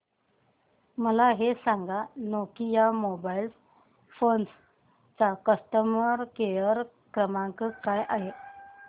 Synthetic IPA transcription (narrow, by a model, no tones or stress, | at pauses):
məlaɦesãŋɡanokijamobails | fons | t͡sakəsʈəməɾkejəɾ | kɾəmaŋkəkajʔaɦe